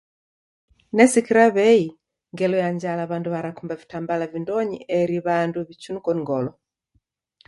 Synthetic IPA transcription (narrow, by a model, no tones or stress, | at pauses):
nɛsikiɾaβɛi | ŋɡɛlɔjaɲd͡ʒalaβanduβaɾakumbavitambalavindɔɲḭʔɛɾiβanduβit͡ʃunukɔniŋɡɔlɔ